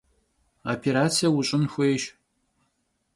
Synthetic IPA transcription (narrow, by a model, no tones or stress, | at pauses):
apʰeɾaːt͡sʰijɐwʊɕʼɪnxʷejʃ